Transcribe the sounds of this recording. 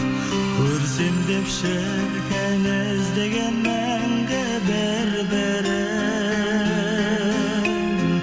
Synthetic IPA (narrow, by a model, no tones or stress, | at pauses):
kʲʰɵɾsemd̪epʃe | ɾkʲʰenɪ | zd̪eɡʲenmæ | ŋɡe | bɪ | ɾbɪ | ɾ